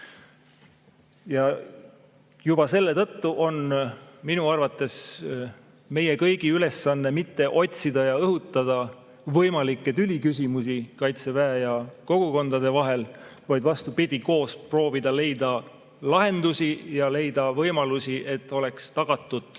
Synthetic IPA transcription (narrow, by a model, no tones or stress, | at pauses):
jɑ | jub̥ɑse̞lːe̞t̪ɤ̞t̪ːuʔo̞nminuɑrvɑt̪ːˑe̞s | me̞je̞kɤjɡ̥iyle̞sːɑnːe̞mit̪ːe̞ʔo̞t̪ʲsid̪̥ɑjɑɤɦut̪ːˑɑd̪̥ɑ | vɤjmɑlikːet̪ylʲikys̬ʲimus̬ikɑjt̪se̞væɑjɑko̞ɡ̥uko̞nd̪ɑd̪e̞vɑɦe̞lvɑjd̪vɑst̪upid̪̥ʲiko̞ːspro̞ːvid̪̥ɑle̞jd̪̥ɑ | lɑɦe̞nd̪usijɑle̞jd̪̥ɑvɤjmɑlusiʔe̞t̪ːˑo̞le̞kst̪ɑɡ̥ɑt̪ːˑud̪̥